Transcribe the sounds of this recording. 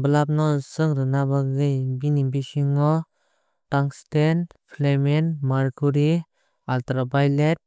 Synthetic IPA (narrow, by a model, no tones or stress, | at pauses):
bəlap̚nɔsɯŋɾɯnabaɡɯjbinibisiŋɔ | taŋstenpʰlemenmaɾkuɾi | altɾabajlet̚